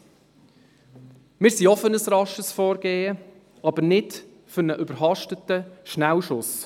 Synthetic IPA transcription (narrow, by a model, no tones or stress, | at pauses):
mɪːɾsiɔfənəsɾɑʃəsfɔːɾɡ̥eːə | ɑbənɪd | fʏɾnəʔʏbəɾɦɑʃtətəʃnæwʃʊs